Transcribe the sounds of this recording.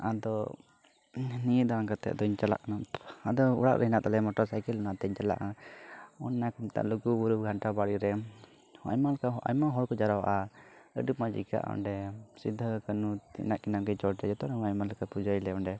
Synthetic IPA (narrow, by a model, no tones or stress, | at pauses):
ad̪ɔ | nijəd̪aɾakat̪ɛ̰a̰d̪ɔiɲt͡ʃala̰ʔkanaad̪ɔṵɽa̰ʔɾʔɛɦinaʔt̪alɛmɔʈɔɾsajkɛlɔnat̪ɛɲt͡ʃala̰ʔa | ɔnːakumt̪a̰ʔluɡubuɾuɡʱaɳʈabaɽiɾɛ | a̰jmalkaʔa̰jmaɦɔɽkɔd͡ʒaɾawaʔaə̰ɖupmad͡ʒḭka̰ʔɔ̰ɳɖɛsid̪ʱːəkənut̪ḭnaʔkinamkɛt͡ʃɔɽt͡ʃad͡ʒɛt̪ɔnɛmajmaləkapud͡ʒailɛɔɳɖɛ